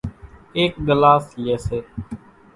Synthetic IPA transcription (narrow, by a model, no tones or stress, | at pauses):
eːk̚ɡəlaːsjeːseː